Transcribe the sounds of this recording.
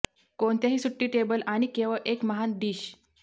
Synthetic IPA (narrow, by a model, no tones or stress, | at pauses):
kont̪jaɦiːsuʈːiːʈebəlaɽ̃ikeʋəʔekməɦand̪iːɕ